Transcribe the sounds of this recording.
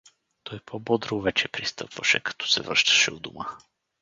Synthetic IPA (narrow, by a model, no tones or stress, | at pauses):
t̪ɔjpʰɔbɔd̪ɾovɛt͡ʃɛpɾist̪ɤ̰pvɐʃɛ̰kɐ̥t̪ɔ̥sɛvɾə̰ʃt̪ɐ̥ʃɛud̪umə